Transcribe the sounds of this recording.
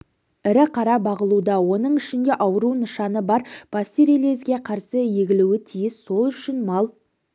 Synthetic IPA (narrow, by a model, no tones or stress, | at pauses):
ɪɾɪqʰɑɾɑbɑʁəlˠud̪ɑwo̞nəɴɪʃɪnd̪e̞ʔɑwəɾunəʃɑnəbɑɾb̥ɑst̪iɾelezɡʲe̞qʰɑɾsəje̞ɡʲɪluwɪt̪ʰijɪsːo̞lˠʏʃɪnmɑlˠ